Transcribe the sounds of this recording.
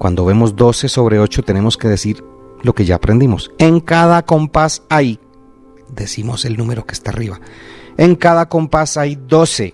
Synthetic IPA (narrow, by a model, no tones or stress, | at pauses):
kwa̰nd̪o̞βe̞mo̞zd̪o̞se̞so̞βɾe̞o̞t͡ʃo̞t̪e̞ne̞mo̞ske̞ðe̞siɾlo̞ke̞ʝaːpɾend̪imo̞se̞ŋkaðako̞mpasaj | d̪e̞simo̞se̞lnũme̞ɾo̞ke̞̥st̪ariβaeŋkaðako̞mpasajd̪o̞se̞